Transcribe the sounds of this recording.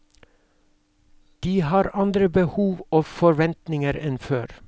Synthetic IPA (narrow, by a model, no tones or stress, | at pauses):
d̪̥iːhɑːɾɑnd̪ɾəbəhuːʋoːfɔɾʋɛnt̪nɪŋəɾɛnføːɾ